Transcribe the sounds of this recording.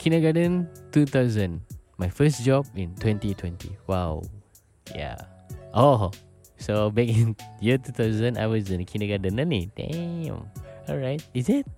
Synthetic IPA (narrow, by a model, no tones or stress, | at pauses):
kʰĩnəɡadə̃ntut̪aʊzə̃nmajfəsd͡ʒɔb̚ĩntwɛ̃ntitʰwɛ̃ntḭwaw | ja̰ | ʔo | sobɛkĩnjətut̪aʊzə̃na̰wɔsĩnkʰĩnəɡadə̃nãnit̪ɛ̰̃mɔlɹajt̚izit̚